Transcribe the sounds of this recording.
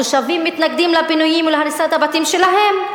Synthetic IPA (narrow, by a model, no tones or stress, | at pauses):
oʃavimːit̪naɡ̚d̪imlabinujimulahaɾisat̪abat̪imʃelaɦe̞m